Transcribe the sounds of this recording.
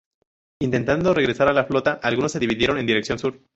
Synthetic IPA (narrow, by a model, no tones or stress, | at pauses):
int̪e̞nt̪and̪o̞re̞ɣɾe̞saɾalaflo̞t̪aʔalɣunosːe̞ðiβiðje̞ɾo̞ne̞nd̪iɾe̞ksjo̞nsuɾ